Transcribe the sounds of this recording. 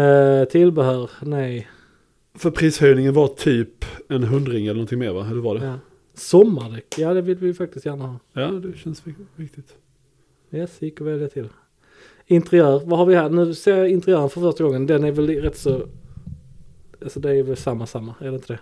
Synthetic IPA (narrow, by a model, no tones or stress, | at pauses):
t̪ʰɪlbɛhœːɾnɛj | fœɾpʰɾiːshœjnɪŋənvat̪ʰyːpɛnɦɵnd̪ɾɪŋɛlənɔnt̪ɪŋmḛːɾvaɛld̪ɛvad̪ɛjɑː | sɔmːaɖɛkjaːd̪ɛvɪlvɪfak̚t̪ɪst̪jæːɾɳahɑːjɑːd̪ɛɕɛnsɪvɪk̚t̪ɪt̪ | jɛsjɪkːɔɾvɛljat̪ʰɪl | ɪnt̪əɾɪœːɾvahaɾvɪɦæːɾnʉ̟ːseːɪnt̪əɾɪœːɾənfœɾfœʂʈ̪aɡɔŋːənd̪ɛnæɾvɛlɾɛt̪ːsɔ | alsɔd̪ɛːjvɛlsamːasamːaæɖɛɪnt̪əd̪ɛ